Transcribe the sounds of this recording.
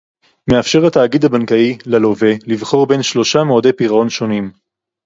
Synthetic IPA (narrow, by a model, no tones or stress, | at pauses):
me̞afʃe̞ʁat̪aːɡid̪abankailalovelivχo̞ʁbe̞nʃlo̞ʃameod̪ejpiʁao̞nʃo̞nim